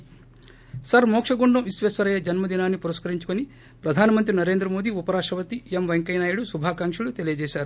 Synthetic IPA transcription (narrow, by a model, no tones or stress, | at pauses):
sɐɾmɔːkʂɐɡuɳɖuisʋeːsʋɐɾɐjɐd͡ʒɐnmɐd̪inaːnːipuɾɐskɐɾiɲt͡ʃukoni | pɾɐd̪ʱaːnɐmɐnt̪̬ɾinɐɾe̞ːnd̪ɾɐmoːd̪iupɐɾaːʂɐʋɐt̪iemʋeŋkɐjnaːjuɽusubʱaːkaːŋkʂulut̪e̞lijɐd͡ʒɛːʃaːɾu